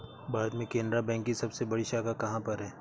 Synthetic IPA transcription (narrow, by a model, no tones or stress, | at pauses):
baːd̪mẽkẽːnd̪ɾabɛ̃ːŋkːisɐbsebɐɽiʃaːkakɐɦãpɐɾɦɛː